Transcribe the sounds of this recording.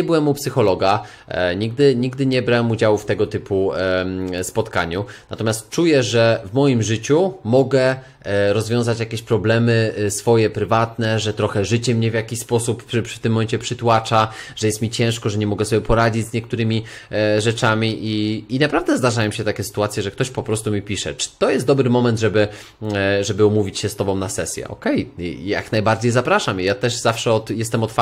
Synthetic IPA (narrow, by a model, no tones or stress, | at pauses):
ɛbɘwɛmːupsɘxɔlɔɡa | ɲiɡ̚d̪ɘɲiɡd̪ɘɲɛbɾawɛmud͡ʑawuft̪ɛɡɔt̪ɘpu | spɔt̪ka̰ɲunat̪ɔmʲast̪̚t͡ʂujɛʐɛvmɔjimʐɘt͡ɕumɔɡɛ | ɾɔzvʲjɔ̃w̃zat͡ɕjakʲeɕpɾɔblɛmɘsfɔjɛpɾɘvat̪nɛʐɛt̪ɾɔxɛʐɘt͡ɕɛmɲɛvʲjakʲiɕʲspɔsupft̪ɘmːɔmɛɲt͡ɕɛpʂɘt̪wat͡ʂaʐ̥ɛjɛst̪mʲit͡ɕɛ̃w̃ʂkɔʐɛɲɛmɔɡɛsɔbʲjɛpɔɾad͡ʑid͡ʑzɲɛk̚t̪uɾɘmʲi | ʐɛt͡ʂamʲiʔiːnapɾavd̪ɛzd̪aʐajɔ̃w̃ɕɛt̪akʲɛsɘ̥t̪uat̪sʲjɛʐɛkt̪ɔɕpɔpɾɔst̪umʲipʲiʂɛ̰t͡ʂɘ̥t̪ɔjɛst̪d̪ɔbɾɘmɔmɛnd̪ʐɛbɘ | ʐɛbɘumuvʲit͡ɕɕɛst̪ɔbɔ̃w̃nasɛsʲjɛ̰ʔɔ̰kɛjja̰knajbaɾd͡ʑejzapɾaʂamijat̪ɛʂzafʂɛɔt̪jɛst̪ɛmɔt̪f